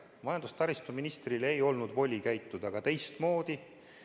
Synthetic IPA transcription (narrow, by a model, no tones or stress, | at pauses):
mɑjɑnd̪ust̪ɑɾist̪uminist̪rilejo̞lnud̪vo̞lʲikæjt̪ːˑud̪̥ɑɡ̥ɑt̪e̞jst̪mo̞ːd̪̥i